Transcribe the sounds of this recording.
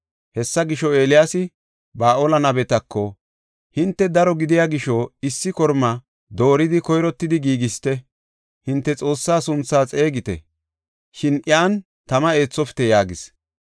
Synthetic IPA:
hɛsːɐɡɪʃːɔe̞ːlɪjaːsɪ | baːʔoːlɐnɐbɛt̪ɐkʰːɔ | hɪnt̪ːɛd̪ɐɾɔɡɪd̪ɪjaɡɪʃɔɪsːɪkɔɾmɐ | d̪o̞ːɾɪd̪ɪkɔjɾɔt̪ːɪd̪ɪɡiːɡɪst̪ɛ | hɪnt̪ːɛt͡sʼo̞ːsːaːsʊnt͡sːaːt͡sʼe̞ːɡɪt̪ɛ̰ | ʃɪnʔɪaːn | t̪ɐmɐe̞ːt͡sːɔfɪ̥t̪ɛjaːɡɪs

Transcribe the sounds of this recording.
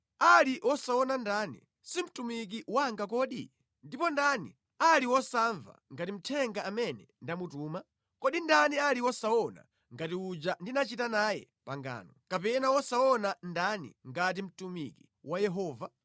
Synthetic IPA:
aliwɔsaɔnandanḭ | sim̩tumik̬iwaŋɡak̬ɔɗḭ | ndipɔndanḭ | aliwɔsaɱva̰ŋɡatim̩tʰɛŋɡaːmɛnɛndamutuːma | kɔɗindanialiwɔsaɔna̰ | ŋɡatiud͡ʒandinat͡ʃitanaːjɛ̰ | paŋɡa̰ːnɔkapɛnawɔsaɔnandanḭŋɡat̬im̩tumiki | wajɛɦɔːva

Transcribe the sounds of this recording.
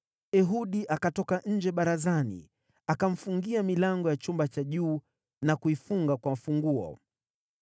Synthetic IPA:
ɛɦuɗiʔakatɔkaɲ̩d͡ʒɛɓaɾazanḭ | akam̩fuŋɡiamilaŋɡɔjat͡ʃumbat͡ʃaʄuː | nakuifuŋɡakwamfuŋɡuɔ̰

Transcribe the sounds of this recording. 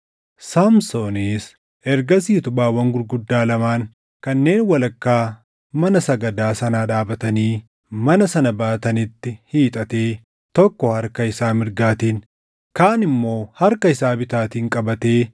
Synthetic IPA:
samsoːneːs | ɛɾɡɐs̬iːt̪ʊbaːwɐŋɡʊɾɡʊd̪ːaːlɐmaːŋ | kɐnːe̞ːnwɐlɐkːaː | mɐnɐsɐɡɐd̪aːsɐnaːᶑaːbɐt̪ɐniː | mɐnɐsɐnɐbaːt̪ɐnɪt̪ːɪhiːt̪ʼɐt̪e̞ː | t̪ɔkːɔhɐɾkɐɪsaːmɪɾɡaːt̪iːn | kaːnɪmːo̞ːhɐɾkɐɪsaːbɪt̪aːt̪iːŋkʼɐbɐt̪eː

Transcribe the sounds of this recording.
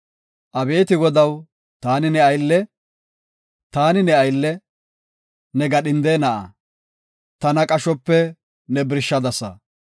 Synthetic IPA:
ʔɐbe̞ːt̪ɪɡɔd̪ɐw | t̪aːnɪnɛɐjlːɛ | t̪aːnɪnɛɐjlːɛ | nɛɡɐɗɪnd̪eːnɐʔɐ̰ | t̪ɐnɐkʼɐʃɔpːɛ | nɛbɪɾʃːɐd̪ɐsɐ̰

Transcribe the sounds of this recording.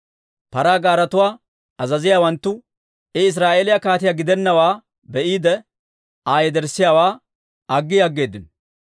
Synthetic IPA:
pɐɾaːɡaːɾɐt̪ʊwaː | ɐzɐzɪjaːwɐnt̪ːʊ | ɪɪs̬ɾaːʔeːlɪjɐkaːt̪ɪjaɡɪd̪ɛnːɐwaː | bɛʔiːd̪ɛ | aːjɛd̪ɛɾsːɪjaːwaː | ɐɡːɪjɐɡːe̞ːd̪ːɪn

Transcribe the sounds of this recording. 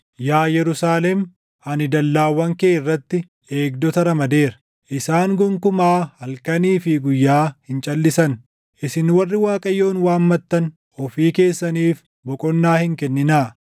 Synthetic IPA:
jaːjɛɾʊsaːlɛm | ɐnɪd̪ɐlːaːwɐŋkeːɪrːɐt̪ːɪ | e̞ːɡ̚d̪ɔt̪ɐɾɐmɐd̪eːɾɐ̥ | ʔɪsaːŋɡʊŋkʊmaːhɐlkɐniːfɪɡʊjːaːhɪnt͡ʃʼɐlːɪsɐn | ʔɪsɪnwɐrːɪwaːkʼɐjːo̞ːnwaːmmɐt̪ːɐn | ɔfiːke̞ːsːɐniːf | bɔkʼɔnːaːhɪŋkɛnːɪnaː

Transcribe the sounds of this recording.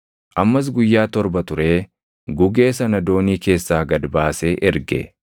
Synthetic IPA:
ʔɐmːɐs̬ɡʊjːaːt̪ɔɾbɐt̪ʊɾe̞ː | ɡʊɡe̞ːsɐnɐd̪o̞ːniːke̞ːsːaːɡɐd̪baːseːʔɛɾɡɛ̰

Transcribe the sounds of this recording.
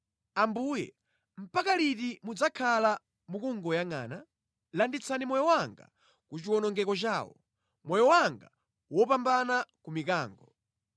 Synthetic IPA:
ambuːjɛ̰ | m̩pakalitimud͡zakʰala | mukuŋɡɔjaŋa̰ːna | landit͡sʰanimɔjɔwaŋɡa̰ | kut͡ʃiwɔnɔŋɡɛkɔt͡ʃaːwɔ̰ | mɔjɔwaŋɡa | wɔpambanakumikaːŋɡɔ

